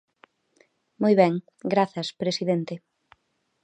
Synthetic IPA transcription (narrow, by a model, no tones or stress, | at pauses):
mojβɛŋ | ɡɾaθɐspɾesiðent̪ɪ